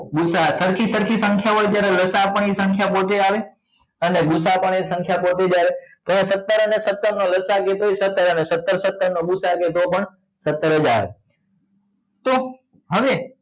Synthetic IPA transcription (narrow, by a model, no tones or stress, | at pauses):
ɡʊsasəɾkʰisəɾkʰisə̃ŋkʰjaɦojt̪jaɾeləsapəɳisə̃ŋkʰjapot̪eaʋe | əneɡʊsapəɳesə̃ŋkʰjapot̪ed͡ʒjaɾet̪əesət̪ːəɾənesət̪ːəɾnoləsaket̪ʰoesət̪ːəɾənesət̪ːəɾsət̪ːəɾnoɡʊsaket̪opəɳ | sət̪ːəɾəd͡ʒa̰ʋḛ | t̪o | ɦəʋe